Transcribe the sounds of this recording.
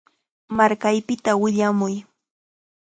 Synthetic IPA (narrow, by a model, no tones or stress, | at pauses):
maɾkajpɪt̪awɪʎamʊj